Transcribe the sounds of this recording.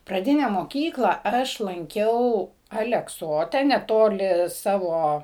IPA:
prɐˈdʲɪnʲɛ moːˈkʲiːklˠɐ ˈɐʃ lˠɐŋʲˈkʲɛʊ ɐlʲɛkˈsoːtʲɛ nʲɛˈtoːlʲɪ ˈsɑːʋoː

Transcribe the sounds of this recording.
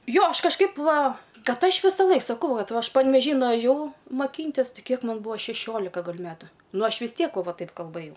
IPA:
ˈjoː ˈɐʃ kɐʃˈkɐɪp ˈʋɐ ˈkɐt ˈɐʃ ʋʲɪsɐˈlˠɐɪk sɐˈkɐʊ ˈʋɐt ˈɐʃ pɐnʲʋʲɛˈʒʲiː nʊɐˈʒʲɛʊ mɐˈkʲiːnʲtʲɪs ˈtɨ ˈkʲiɛk ˈmɐn ˈbuːɐ ʃʲɛˈʃʲoːlʲɪkɐ ɡɐlʲ ˈmʲæːtʊ ˈnʊ ˈɐʃ ʋʲɪs ˈtʲiɛk ʋɐ ˈʋɐ ˈtɐɪp kɐlˠˈbɘjɛʊ

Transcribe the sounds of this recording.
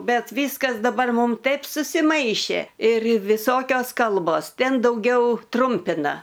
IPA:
ˈbʲɛt ˈʋʲiːskɐs dɐˈbɐr ˈmuːm ˈtɐɪp sʊsʲɪˈmɐɪʃʲeː ɪr ʋʲɪˈsoːkʲoːs ˈkɐlˠboːs ˈtʲɛn dɐʊˈɡʲɛʊ ˈtrʊmʲpʲɪnɐ

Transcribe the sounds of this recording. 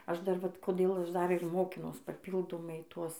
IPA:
ˈɐʃ dɐr ˈʋɐt koːˈdʲeːlˠ ˈɐʃ ˈdɐr ɪr ˈmoːkʲɪnuɔs pɐˈpʲiːlˠdoːmɐɪ ˈtuɔs

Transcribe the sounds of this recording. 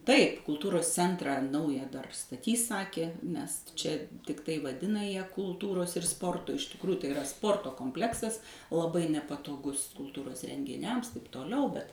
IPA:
ˈtɐɪp kʊlˠˈtuːroːs ˈt͡sʲɛntrɑː ˈnɐʊjɛ dɐr stɐˈtʲiːs ˈsɑːkʲeː nʲɛs ˈt͡ʃʲɛ tʲɪkˈtɐɪ ʋɐˈdʲɪnɐ jæː kʊlˠˈtuːroːs ɪr ˈspoːrtoː ɪʃ tʲɪkˈrʊjʊ tɐɪ ɪˈrɐ ˈspoːrtoː koːmʲpʲˈlʲæːksɐs lˠɐˈbɐɪ nʲɛpɐtoːˈɡʊs kʊlˠˈtuːroːs rʲɛŋʲɡʲɪˈnʲɛms tɐɪp toːˈlʲɛʊ bʲɛt

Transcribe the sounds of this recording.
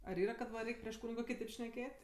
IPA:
ɐr ˈiːrɐ kɐt ˈʋɐ ˈrʲɛɪkʲ pʲrʲiɛʃ ˈkuːnʲɪɡoː kʲɪˈtʲeːp ʃʲnʲɛˈkʲeːtʲ

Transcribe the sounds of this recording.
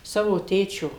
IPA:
ˈsɑːʋoː ˈtʲeːt͡ʃʲoː

